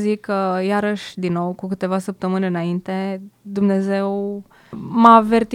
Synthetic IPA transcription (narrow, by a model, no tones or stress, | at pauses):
zikːəjaɾəʃʲd̪inːo̞wkukɨt̪e̞vasəp̚t̪əmɨneɨnaint̪e̞d̪umne̞ze̞w | mave̞rt̪